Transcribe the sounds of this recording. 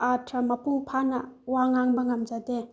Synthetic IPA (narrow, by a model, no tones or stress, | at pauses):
atʰɾɐmɐpʰuŋpʰanɐwaŋaŋbɐŋɐmd͡ʒade